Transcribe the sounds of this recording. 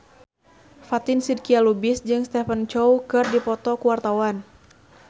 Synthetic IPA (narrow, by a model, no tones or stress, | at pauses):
fat̪ɪnsid̚kialubɪsd͡ʒɨŋst̪ɛfənt͡ʃɔwkɨrdipɔt̪ɔkuwart̪awan